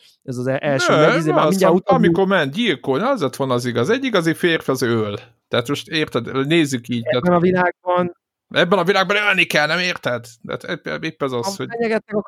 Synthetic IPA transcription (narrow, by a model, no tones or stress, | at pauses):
ɛzɒzɛʔɛlʃøɛizeaiɲɟaut̪ɒmiko̞rmɛnt̪̚ɟikoːnɛhɛzɛt̪ʋolnɒːziɡɒzɛɟːiɡɒzifeːrfɒzøl | t̪ɛɦaːt̪moʃt̪eːrt̪ɛd̪øneːzːykiːc̚tt̪ɛːt̪ːɛnɒvilaːɡ̚bɒn | ʔɛbːɛnɒvilaːɡ̚bɒnølnikɛlnɛmeːrt̪ɛd̪t̪a̰ːt̪ɛpɛ̰eːpːɛzɒhoɛɲɛɡɛt̪ːɛkɒ